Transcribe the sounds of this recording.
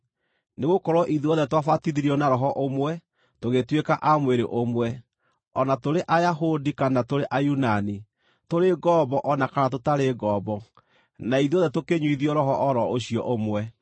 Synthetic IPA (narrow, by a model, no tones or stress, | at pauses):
neɣokɔɾwɔʔiðuɔðɛtwafatiðiɾiɔnaɾɔɦɔʔomwɛ | toɣetwekaʔamweɾeʔomwɛ | ɔnatoɾeʔajaɦodikanatoɾeʔajunani | toɾeɡɔbɔʔɔnakanat̬otaɾeɡɔːbɔ | naiðiɔðɛtokeɲwiðiɔɾɔɦɔʔɔɾɔoɕiɔʔomwɛ